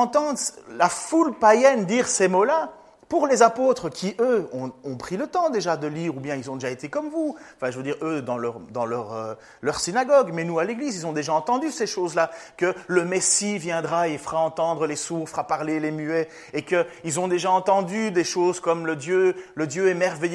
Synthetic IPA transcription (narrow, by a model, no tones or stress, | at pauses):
ɑ̃t̪ɑ̃d̪lafulpajɛnd̪iːʁsemola | puʁlezapoːt̪χəkʰʲiʔøɔ̃ɔ̃pχilət̪ɑ̃d̪eʒad̪əliːʁubjɛ̃ilzɔ̃d̪eʒaet̪ekɔmvuɑ̃fɛ̃ʒəvød̪iːʁød̪ɑ̃lœʁd̪ɑ̃lœʁø | lœʁsinaɡɔɡmɛnualeɡlizilzɔ̃d̪eʒaɑ̃t̪ɑ̃d̪yseʃozlakələmesivjɛ̃d̪ʁaefəʁaɑ̃t̪ɑ̃d̪ʁəlesuʁfəʁapaʁlelemyɛ | ekəilzɔ̃d̪eʒaɑ̃t̪ɑ̃d̪yd̪eʃoːzkɔmləd̪jøləd̪jøɛmɛʁvejø